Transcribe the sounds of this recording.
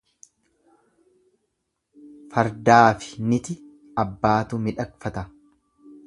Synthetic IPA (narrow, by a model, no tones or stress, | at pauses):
fɐɾd̪aːfɪ̥nɪt̪ɪ | ɐbːaːt̪ʊmɪᶑɐkfɐt̪ɐ